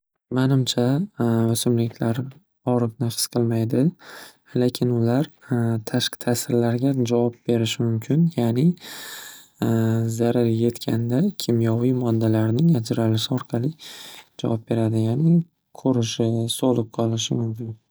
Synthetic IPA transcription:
manɪmt͡ʃʰaʊsɪmlɪkʲʰlaɾ | ɒɾɨqnafɪ̥sqʰɨlˠmajd̪ɪ | lekʲʰɪnʊlaɾt̪ʰaʃqɨ̥t̪ʰasɪɾlaɾɡʲad͡ʒavɒp̚be̞ɾɪʃɪmʊmkʲʰɪnjanɪ | zaɾaɾje̞t̪kʲʰa̰nd̪akʲʰɪmjɒvijmɒd̪ːalaɾnɪŋad͡ʒɾalɪʃɪɒɾqʰɑlˠid͡ʒa̰vɒp̚be̞ɾad̪ɪjanɪ | kʲʰɵɾɪʃɪsolˠɨp̚qʰɒlˠɪʃɪmʊmkʲɪn

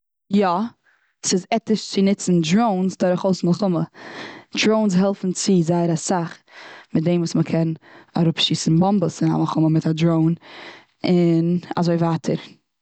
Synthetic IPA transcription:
jɔ | sɪzɛtɪʃt͡sɪnɪt͡sn̩dɾoʊnsdɔɾɪχoʊsmɪlˠχʊmə | dɾoʊnsɦɛlˠfn̩t͡sɪzaɪəɾasaχmɪt̚dẽɪmvuːsməkʰɛna̰ɾʊpʃiːsn̩bɔmbəsɪna̰malˠχʊməmɪtadɾoʊn | ɪna̰zoɪvaːtʰəɾ

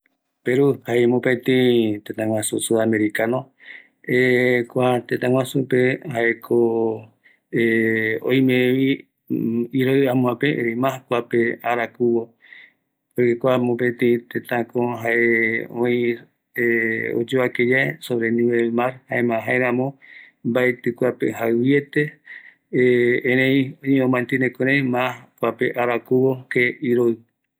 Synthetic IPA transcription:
peɾuhaemõpẽt̪ĩt̪ẽt̪ãwʷãsusuameɾikano | ekʷat̪ẽt̪ãŋwãsupehaʔekʰo | eo̰j̃mẽʋi | iɾojamũãpeʔeimãkʷapeaɾakuwo | ojkekʷamõpẽt̪ẽĩt̪ẽt̪ãkõɦaʔeõĩ | eo̰d͡ʒoβakejaesoβɾenĩβelmaɾhaemãɦaeɾãmõ | mbaet̪ɨkʷapḛhaɨβjet̪e | ẽɾẽj̃õɲeõmãnt̪inekoɾejmãhkʷapeʔaɾakuβokeiɾoɨ

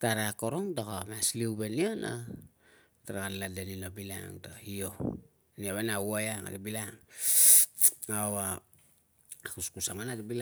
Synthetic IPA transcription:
taɾakoɾoŋdakoamasliubenio̞na̰ | taɾakaladeninobila̰ŋdahio | niaβenawajaŋa̰debilaŋ | awa | akuskusaŋanadabila

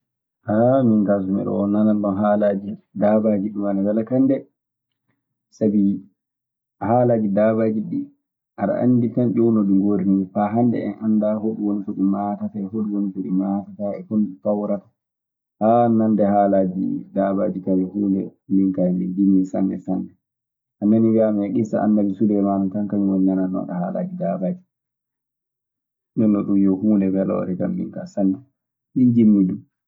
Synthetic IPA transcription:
hamiŋkas̬umɛ̰ɗɔ̰nanalɗɔnɦaːlad͡ʒidaːbad͡ʒiɗumanadalakandɛ | sabi | haːlad͡ʒidaːbad͡ʒiɗi | ʔaɾa̰ʔa̰nditanɗɔwnoɗuŋɡoɾinifaɦandɛ̰ɛ̰nandaɦoɗuwonitoɗimaːtataɛhoɗuwonitoɗimaːtataɛfuntawɾatḁ | hanandɛhalad͡ʒḭdaːbaːd͡ʒikajɔhuːlɛ̰miŋkaɛmind͡ʒimːisa̰nːɛ̰sanːɛ | ʔanːaniɡamɛɗisa̰ʔa̰nːad͡ʒisulɛjmanɔtankaɲiwɔɲɲananːɔ̰ɗaha̰la̰d͡ʒidabad͡ʒi | nɔnːɔɗumjɔhuːlɛbɛlɔ̰ɾɛkamːḭŋkasanːɛ | mind͡ʒimːidum

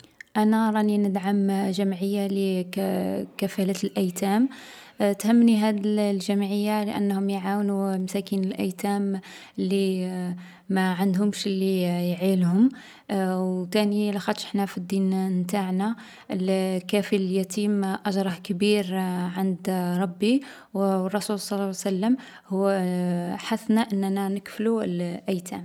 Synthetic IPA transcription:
ʔænæɾˤɑninəd̪ʕamʒæmʕəjːalə | kæfælæt̪lʔæjt̪æm | t̪həmːniɦæd̪lʒæmʕəjːaləʔə̰nːhʊmjʕawnumæsækinəlʔæjt̪æm | lːi | mæʕand̪hʊmʃlːijʕilhʊm | wt̪ænilaxɑd̪ʃə̥ħnæfid̪ːinnt̪aʕna | əlkæfilljæt̪iːmʔɑʒɾˤɑhkbiɾʕand̪ɾˤɑbːi | wrˤːɑsulsˤɑlːɑsælːəm | hʊː | ħaθnaʔənːnænəkflulʔæjt̪ʰæm

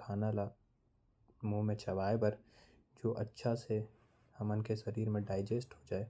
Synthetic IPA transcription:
kʰaːnala | muːmẽt͡ʃɐʋaːebɐɾ | d͡ʒoːʔɐtːʃʰase | hɐmʊnkeʃɐɾiːɾmẽɖaːɪd͡ʒeːsʈɦod͡ʒaːeː

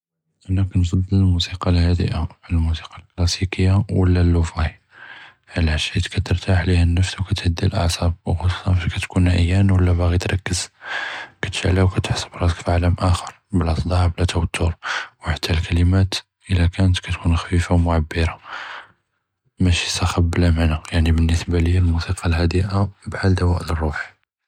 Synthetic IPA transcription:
ʔænːækɑnfɑd̪ˤːələlmusiqɑlhæd̪ə̰ʔalmusi̥qɑlklɑsikəjːawə̰lːælːufɑhi | ʕəlʕaʃit̪kæt̪əɾt̪ʰaħlihænːəfswkæt̪həd̪ːilʔɑ̰ʕsˤɑb̚wxɑsu̥sˤɑnfæʃkæt̪kunʔə̰jːænwəlːæbæɣit̪ɾˤɑkːəz̥ | kæt̪ʃaʕlæwkæt̪ħsˤːə̥bɾˤɑt̪əkfiʕaləmʔæxəɾˤbəlʔɑsˤd̪ˤɑʕblæt̪æwət̪ʰːʊɾwħat̪ʰːælkælimæt̪ | ʔəlækænət̪kæt̪kunxfifawmʊʕabːiɾɑ | mæʃisæxɑbːəlæmanæjaʕnibənːəsbaliælmusiqʰɑlhæd̪əʔabħald̪æwæʔlərˤːuħ

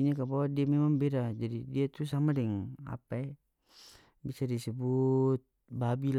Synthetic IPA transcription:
ɲakabawadiamɛmaŋbɛɾad͡ʒadidiat̪usamadɛŋa̰pae | bisadisɛbut̪̚ | babil

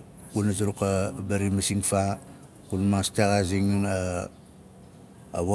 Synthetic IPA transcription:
kunazuɾukabaɾimasiŋfa | kunmastaɣaziŋna | βo

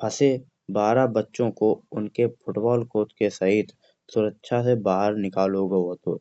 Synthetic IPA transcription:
pʰɐse | baːɾabətːʃõkoʊnkepʰʊʈbɔːlkoːʈkesɐɦɪt̪ʰ | sʊɾəkːʃʰasebaːɦəɾnɪkaːlɦoɡɐoɦoːt̪oː

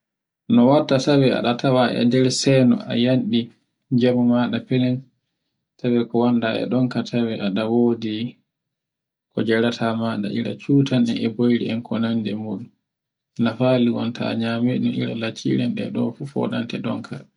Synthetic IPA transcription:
nɔwatːatawɛa̰ɗatʰawaɛ̰dɛɾsɛnɔ̰ʔa̰janɗi | d͡ʒamumaɗapɛnɛn | tʰawɛkɔwandaɛ̰ɗɔŋkatʰawɛʔaɗawoːdi | kɔd͡ʒɛɾatʰamaɗa̰ʔiɾa̰t͡ʃuːtanɛɛbojɾḭɛnkʰɔnandɛmuɗum | nafaliwɔntʰa̰ɲamɛnɔiɾa̰lat͡ʃːḭɾɛnɗɛ̰ɗɔfufɔ̰ɗantɛɗɔ̰ŋkʰa̰

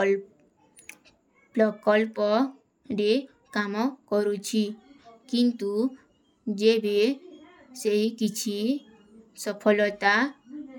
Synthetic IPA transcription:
lɔkɔlpɔ | ɖe | kamɔkɔɾut͡ʃʰikint̪u | d͡ʒebe | seɦikit͡ʃʰi | sɔpʰɔlɔt̪a

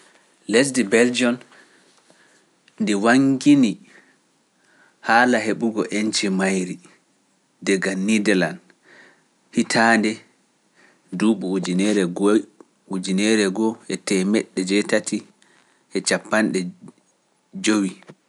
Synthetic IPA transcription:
les̬dibɛld͡ʒɔn | ndiwaŋɡini | haːlaɦeɓuɡɔʔent͡ʃimajɾi | dɛɡanːidɛlan | hitʰandɛ | duːɓuud͡ʒinɛɾɛɡ | ud͡ʒinɛɾɛɡɔɛtɛmɛɗːɛd͡ʒɛtatʰi | ʔɛt͡ʃapːanɗɛ | d͡ʒowi

